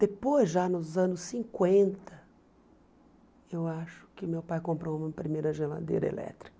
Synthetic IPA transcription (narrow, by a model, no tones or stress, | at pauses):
d̪̥epojzʒanʊzɐ̃nʊsːĩŋkwẽnt̪ʰɐ | ewaʃʊ̥kɪʊmewpajkõmpɾoũmɐpɾimejɾɐʒela̰d̪ḛjɾɐḛlʔɛ̰t̪ɾi̥kɐ